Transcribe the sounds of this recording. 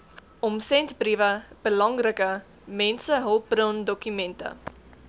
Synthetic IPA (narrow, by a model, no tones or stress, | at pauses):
ʔɔmsɛntbrivəb̥əlɐŋrəkə | mɛnsəɦəlˠp̚brəndɔkymɛntə̰